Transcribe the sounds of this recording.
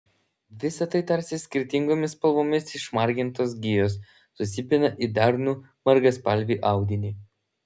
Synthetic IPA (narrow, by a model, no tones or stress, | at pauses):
ʋʲɪsɐt̪ɐɪt̪ɐɾʲsʲɪsʲkʲɪɾʲt̪ʲɪŋɡoːmʲɪspɐlˠʋoːmʲɪsɪʃmɐɾʲɡʲɪnt̪oːs̬ɡʲɪjoːsː | ʊsʲɪpʲɪnɐʔid̪ɐɾnuː | mɐɾɡɐspɐlʲʋʲiːʔɑˑʊd̪ʲɪnʲiː